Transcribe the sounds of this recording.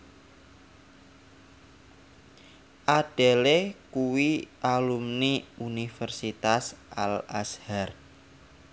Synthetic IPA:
ʔaɖ̥e̤lekuwiʔalumniunifərsit̪asʔala̰shar

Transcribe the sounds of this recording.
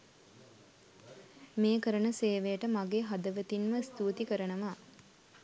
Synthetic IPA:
meːkəɾənəseːʋejəʈəmaɡeːɦad̪əʋət̪inməst̪uːt̪ikəɾənəʋaː

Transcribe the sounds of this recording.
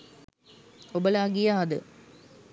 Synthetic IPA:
obɐlaːɡijaːd̪ɨ̰

